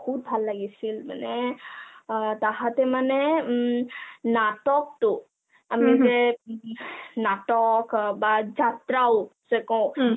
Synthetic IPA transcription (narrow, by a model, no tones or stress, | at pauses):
kʰub̚bʱalːaɡisʰilmə̰ne | t̪aɦat̪emane | naʈɔk̚t̪u | əmed͡ʒe | naʈɔkbad͡ʒʱat̪ɾawsekɔ̃